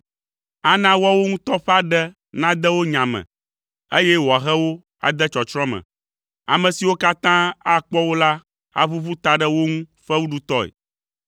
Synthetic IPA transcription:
a˨nã˦wɔa˦wo˦ŋũ˦t̪ɔ˦ɸɛ˦a˦ɖɛ˦ | nã˦d̪ɛ˦wo˦ɲã˨mɛ̰̃˨ | e˦jɛ˦wɔ˨a˨ɣɛ˦wo˦ | a̰˨d̪ɛ˦t͡ʃɔ˨t͡ʃɾɔ̃˦mɛ̰̃˨ | a̰˨mɛ̃˨si˨wo˦ka˦t̪ã˦a˦k͡pɔ˦wo˦la˦ | a̰˨βu˦vu˦t̪a˨ɖɛ˦wo˦ŋũ˦ɸɛ˦wu˦ɖu˦t̪ɔ˦ḛ˨

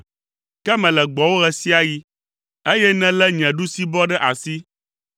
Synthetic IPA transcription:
kɛ˦mɛ̃˨lɛ˨ɡ͡bɔ˨wo˦ɣɛ˨si˦a˦ji˦ | e˦jɛ˦nɛ̃˦lɛ˦ɲɛ̃˨ɖu˦si˦bɔ˦ɖɛ˦ʔa˨si˦

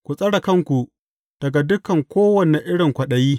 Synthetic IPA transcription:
kʷu˨sʼɐ˦ɽɐ˨kɐ˦ŋkʷu˨ | d̥ɐ˨ɡa˨dʊ˦kɐ˨ŋkʷoː˦wɐ˨ne˨ʔɪ˦ɽɪ˨ŋkʷɐ˨ɗɐ˨jiː˦

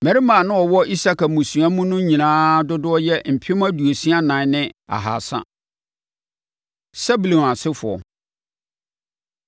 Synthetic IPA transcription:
mɛ̃˨ɾi˦mãː˨nʊ̃˦ɔ˨wɔ˦i˦sa˦ka˨mũ˨su˨a˦mũ˦nʊ̃˦ɲĩ˨nãː˦dʊ˦dʊ˦ɔ˦jɛ˦m̩˨pʰɪ˦mã˦du˨e˨si˦a˦nã˨˦nɪ̃˦a̰˨ɦa̰˨sa̰˦ | sɛ˦bu˨lõ˨a˨sɪ˦fʊ˨ɔ̰˨

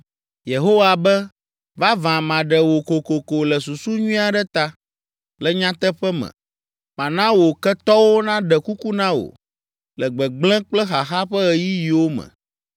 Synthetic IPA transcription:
je˨ɦo˦wa˨bɛ˦ | va˦vã˨mã˨ɖɛ˨wo˨ko˨ko˨ko˨lɛ˨su˨su˦ɲũ˦a˨ɖɛ˦t̪a˦ | lɛ˨ɲã˦t̪ɛ˦ɸɛ˦mɛ̰̃˨ | ma˨nã˦wo˨kɛ˦t̪ɔ˦wo˦nã˦ɖɛ˨ku˦ku˦nã˦wo̰˨ | lɛ˨ɡ͡bɛ˨ɡ͡blɛ̃˦k͡plɛ˦xa˨xa˦ɸə˦ɛ˨ji˦ji˨wo˦mɛ̰̃˨

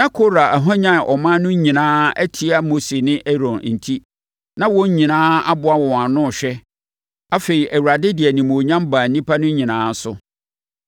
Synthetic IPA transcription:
ja˦kʰo˦ɾa˨æ˨ɦɔ̃˦ɲã˦˨ʔɔ˨mã˦nʊ̃˦ɲĩ˨nãː˦æ˦tʰi˦a˦mo˦se˨nɪ̃˦ʔe˦ɾɔ̃˨n˨n̩˨tʰi˦ | nã˦wɔ̃˦ɲ˦ɲĩ˨nãː˦a˦bʊ˦a˦wɔ˨wã˨nʊ̃˦˨ɕᶣɛ˦ | a˦fe˨ɾi˨ʔæ˨wu˨ɾa˨dɪ˦dɪ˨ɛ˨nĩ˨moː˨ɲã˦mba˨n̩˨nĩ˦pʰa˦nʊ̃˦ɲĩ˨nãː˨˦sʊ̰˦

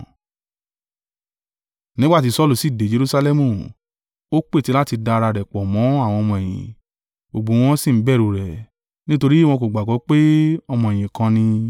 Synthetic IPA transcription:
nĩ˦ɡ͡ba˦ti˨˦sɔ˦˨lu˦˨si˦˨de˨˦d͡ʒe˧ɾu˧sa˧lɛ˦mũ˦˨ | o˦k͡pe˦˨ti˨˦la˦ti˧da˧ɾa˧ɾɛ˨k͡pɔ˨mɔ̃˨˦a˦˨w̃ɔ̃˧ɔ˧mɔ̃˧e˨j̃ḭ̃˨ | o˨ɡ͡bõ˨˦w̃ɔ̃˦si˦˨m̩˨˦bɛ˦˨ɾu˨ɾɛ˨ | nĩ˦to˧ɾi˦w̃ɔ̃˧ko˨ɡ͡ba˨ɡɔ˨˦k͡pe˦ɔ˧mɔ̃˧ɛ˨j̃ĩ˨kã˧nĩ˧

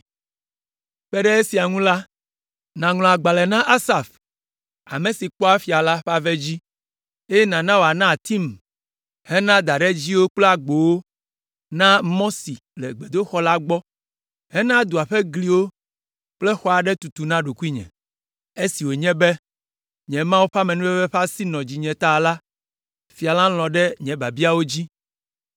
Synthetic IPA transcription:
ɸɛ˦ɖɛ˦e˦si˨a˨ŋũ˦la˦ | nã˨ŋl̃ɔ̃˨a˨ɡ͡ba˨lɛ˨nã˦ʔa˦sa˨f | a̰˨mẽ˨si˨k͡pɔ˦a˦fi˨a˨la˦ɸa˦vɛ˦d͡ʑi˦ | e˦je˦nã˨nã˦wo˨a˨nã˦˨t̪i˦m | hɛ˦nã˦d̪a˨ɖɛ˦d͡ʑi˦wo˦k͡plɛ˦a˨ɡ͡bo˨wo˦ | nã˦mɔ̃˦si˨ | lɛ˨ɡ͡be˨d̪o˦xɔ˦la˦ɡ͡bɔ˦ | hɛ˦nã˦d̪u˨a˨ɸɛ˦ɡli˦wo˦ | k͡plɛ˦xɔ˨a˨ɖɛ˦t̪u˨t̪u˨nã˦ɖo˨ku˦i˦ɲɛ̰̃˨ | e˦si˨wo˨ɲɛ̃˦bɛ˦ | ɲɛ̃˨mã˦wo˦ɸa˦mɛ̃˨nũ˦ɛ˦ɸɛ˦ɸa˦si˦nɔ̃˨d͡ʑi˨ɲɛ̃˨t̪a˦˨la˦ | fi˨a˨lã˦l̃ɔ̃˨ɖɛ˦ɲɛ̃˨ba˨bi˦a˦wo˦d͡ʑi˦

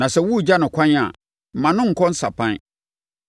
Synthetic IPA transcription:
nã˨sɛ˦wu˦˨d͡ʑa˦nʊ̃˨kʰʷã˦ɲa̰˨ | m̩˨mã˨nʊ̃˦ŋ̩˨kʰɔ̃˦n̩˦sa̰˨pʰã˦n˦

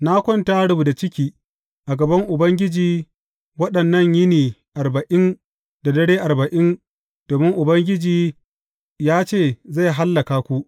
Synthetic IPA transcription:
na˦kʷɔ˦ntaː˦ɽʊ˦bu˨da˨t͡ʃɪ˦kʲiː˦ | ʔa˨ɡɐ˨bɐ˦ŋʔʊ˨bɐ˦ŋɡʲɪ˦d͡ʒiː˨˦ | wɐ˦ɗɐ˨nːɐ˦˨ɲjɪ˦niː˨ʔa˨rbɐ˨ʔɪ˦n | da˨dɐ˦ɽeː˦ʔa˨rbɐ˨ʔɪ˦n | d̥oː˨mɪ˦ŋʔʊ˨bɐ˦ŋɡʲɪ˦d͡ʒiː˦ | jaː˦t͡ʃeː˦˨za˦˨ɦa˦lːɐ˨kaː˦kʷu˦ʔ

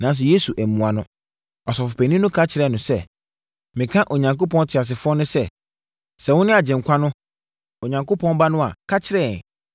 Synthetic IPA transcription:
nã˨˦n˦s̬ɛ˨je˦su˨ʔæ˨mũ˨a˨nʊ̃˦ | ɔ˨sɔ˨fʊ˨pʰæ˨nĩ˦nʊ̃˦kʰa˦t͡ɕʰɪ˨ɾɛ˦˨nʊ̃˨sɛ˦˨ | mɪ̃˨kʰã˦ʔo˨ɲã˨ŋko˦pɔ̃˦ntʰɪ˨a˨s̬ɪ˨fʊ˦ɔ˦nʊ̃˦sɛ˦ | sɛ˨wʊ̃˦nɪ̃˦a˨d͡ʑɪ̃˨ŋ̩˨kʰʷa˦nʊ̃˦ | o˨ɲã˨ŋko˦pʰɔ̃˦nba˦nʊ̃˦a̰˨kʰa˦t͡ɕʰɪ˦ɾɛ˦˨n˨

